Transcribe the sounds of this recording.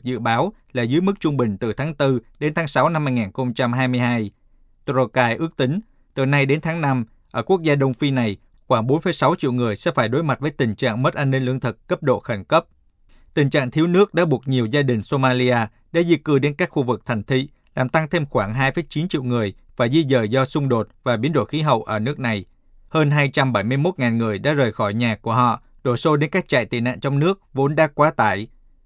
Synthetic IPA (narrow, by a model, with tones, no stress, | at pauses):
zɨ̰˧˨ɓaː˨˦wla̰ː˨˩zɨ̰˧˦˥jmɨ˦˥k̚t͡ɕʊ˧ŋ͡mɓï˨˩ŋ̟t̪ɨ˨˩t̪ʰaː˨˦ŋt̪ɨ˧ɗe˨˦nt̪ʰaː˨˦ŋsa˨˦wna˧mːa˧jŋaː˨˩nxə˧wŋ͡mt͡ɕa˧mɦaː˧jmɨ˧əjɦaː˧j | t̪ɾo˧kaː˧jʔɨ˦˥ək̚t̪ï˨˦ŋ̟ | t̪ɨ˨˩na˧jɗe˨˦nt̪ʰaː˨˦ŋna˧m | ʔəː˧˩ku˦˥ək̚zaː˧ɗə˧wŋ͡mfi˧na˨˩j | xwaː˧˩ŋɓo˨˦nfə˨˧˦jsa˨˦wt͡ɕḭ˧˨wŋɨ˨˩əjsɛ̰˧˥faː˧˩jɗo˨˦jma˨˩t̚vəː˨˦jt̪ï˨˩ŋ̟t͡ɕa̰ː˧˨ŋmə˦˥t̚ʔaː˧nːï˧ŋ̟lɨ˧əŋt̪ʰɨ˨˩kkə˦˥p̚ɗo̰˧˨xə˧˩ŋ̟kə˦˥p̚ | t̪ï˨˩ŋ̟t͡ɕa̰ː˧˨ŋt̪ʰi˨˦əwnɨ˦˥ək̚ɗa̰ː˧˥ɓu˨˩ək̚ɲi˨˩əwzaː˧ɗï˨˩ŋ̟so˧maː˧li˧ʔaː˧ | ɗa̰ː˧˥zi˧˥kɨ˧˩ɗe˨˦nkaː˦˥k̚xu˧vɨ˨˩k̚t̪ʰa˨˩ŋ̟t̪ʰḭ˧˨ | laː˨˩mt̪a˧ŋt̪ʰe˧mxwaː˧˩ŋɦaː˧jfəː˨˦jt͡ɕi˨˦nt͡ɕḭ˧˨wŋɨ˨˩əj | vaː˨˩zi˧zəː˨˩jzɔ˧sʊ˧ŋ͡mɗo˨˩t̚vaː˨˩ɓi˨˦ənɗo̰˧˩jxi˨˦ɦə̰˧˨wʔəː˧˩nɨ˦˥ək̚na˨˩j | həː˧nɦaː˧jt͡ɕa˧mɓa˧˩jmɨ˧əjmo˦˥t̚ŋaː˨˩nŋɨ˨˩əjɗa̰ː˧˥zəː˨˩jxɔ˧˩jɲaː˨˩kːu˧˩əɦɔ̰˧˨ | ɗo̰˧˩so˧ɗe˨˦nkaː˦˥k̚t͡ɕa̰ː˧˨jt̪ḭ˧˩na̰ː˧˨nt͡ɕɔ˧wŋ͡mnɨ˦˥ək̚vo˨˦nɗaː˨˦kwaː˨˦t̪a̰ː˧˩j